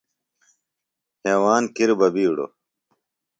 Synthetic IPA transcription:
heːwaːnkʰiɾubɐbiːɽo̰

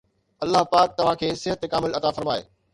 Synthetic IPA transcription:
ɐlːaɦpaːk̚t̪ɐʋ̤ãkʰeːsɪɦət̪ekaːmɪlɐt̪afɐɾmaːḛː

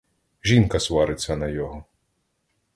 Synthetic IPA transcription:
ʒʲinkɐsʋɑɾɪt͡sʲːɐnɐjɔɦɔ

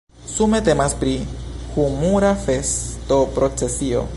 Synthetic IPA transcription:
sume̞te̞maspɾihumuɾafe̞sto̞pɾo̞t͡se̞sio̞̰

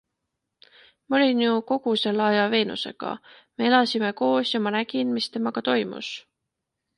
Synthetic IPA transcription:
mɑo̞lʲinjuko̞ɡ̥use̞lːɑjɑve̞ːnṵse̞̰ɡ̥ɑ̰me̞elɑsime̞ko̞ːsjɑmɑnæɡ̥inmist̪e̞mɑɡ̥ɑt̪o̞jmṵs

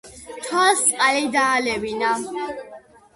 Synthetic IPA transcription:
t̪ʰwalst̪sʼqʼalid̪aːlɛbina

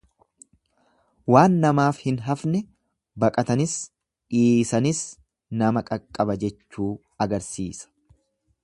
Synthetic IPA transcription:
waːnːɐmaːfhɪnɦɐfnɛ | bɐkʼɐt̪ɐnɪs | ʔiːsɐnɪs | nɐmɐkʼɐkʼːɐbɐd͡ʒɛt͡ʃːuː | ɐɡɐɾsiːsɐ̥

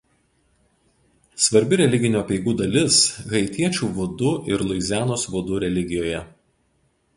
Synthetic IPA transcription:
sʋɐɾʲbʲɪɾʲɛlʲɪɡʲɪnʲuːɐpʲɛɪɡuːd̪ɐlʲɪsɣɐɪt̪ʲiɛt͡ʃʲuːʋʊd̪ʊʔɪɾlˠʊɪzʲæːnoːsʋʊd̪ʊɾʲɛlʲɪɡʲɪjoːjɛ

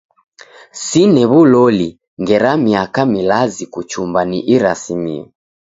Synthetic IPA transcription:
sinɛβulɔli | ŋɡɛɾamiakamilazikut͡ʃumbaniʔiɾa̰simḭɔ̰

